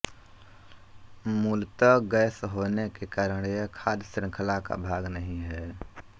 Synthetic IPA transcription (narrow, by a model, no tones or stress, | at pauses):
muːlt̪əɡəːsɦoːnekekaːɾəɽ̃jekʰaːd̪sɾɪ̃ŋkʰəlaka̰bʱaːɡnəɦĩɦɛː